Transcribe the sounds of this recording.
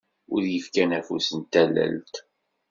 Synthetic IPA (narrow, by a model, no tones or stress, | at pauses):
ʊɾjəfkænæfusənt̪ælːæ̰lt̪